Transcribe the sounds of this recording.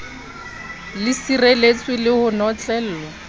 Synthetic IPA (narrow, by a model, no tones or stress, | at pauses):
lɪsirelet͡sʼwɪlɪhʊnɔt͡ɬʼɛːl̩ːlɔ